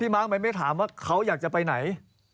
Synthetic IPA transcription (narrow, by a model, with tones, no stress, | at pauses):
iː˥˩maː˦˥˩ŋma˧˥nma˥˩jt̪ʰaː˩˦mwaː˥˩kʰa˦˥wjaː˨˩k̚t͡ɕa˨˩pa˧jna˩˦j